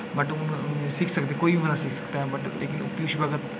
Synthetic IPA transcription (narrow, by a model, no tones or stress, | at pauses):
bɐʈʊnsiːkʰsəɐkd̪ekoːibʱibənasikʰsɐ̥kt̪aɦɛ̃bɐʈlʔḛːkɪnʊ̰pjoːʃbəɡət̪